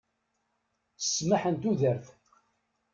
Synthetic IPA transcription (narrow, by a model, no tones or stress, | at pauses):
əsːməħənt̪uðəɾθ